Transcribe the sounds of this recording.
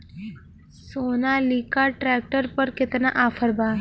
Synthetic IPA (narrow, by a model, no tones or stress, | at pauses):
sonalikaʈɾɛk̚ʈəɾpəɾket̪naʔafʰəɾba